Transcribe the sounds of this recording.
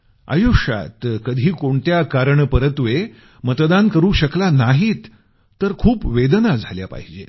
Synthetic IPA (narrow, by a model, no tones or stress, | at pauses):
a̰juʂa̰t̪kəd̪ʱiːkoɳt̪jakaɾəɳpəɾət̪ʋe | mət̪d̪ankəɾuːɕəklanaɦiːt̪ː | əɾkʰuːpʋed̪nad͡zʱaljapa̰ɦid͡ʑe